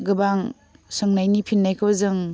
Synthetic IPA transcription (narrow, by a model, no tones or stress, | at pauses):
ɡɯbaŋ | sɯŋnajnipʰinːajkʰɯbzɯŋ